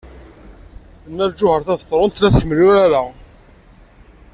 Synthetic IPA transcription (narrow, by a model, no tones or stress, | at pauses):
θənːælʒːʊhəɾθæðət̪ˤːɾˤʊnt̪læθħəmːluɾæɾa